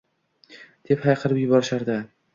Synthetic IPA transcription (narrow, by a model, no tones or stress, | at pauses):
d̪̥e̞phajqʰɨɾɪpjʊbɒɾɪʃaɾd̪ɪ